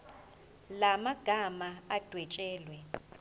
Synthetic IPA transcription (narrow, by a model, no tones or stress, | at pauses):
lamaɡ̥ʱamaad̥ʱwɛt͡ʃʼɛːlwɛ